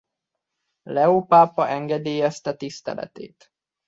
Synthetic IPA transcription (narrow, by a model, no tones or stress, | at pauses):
lɛoːpaːpɒʔɛŋɡɛd̪iːjɛst̪ɛt̪ist̪ɛ̰lɛ̰t̪ḛːt̪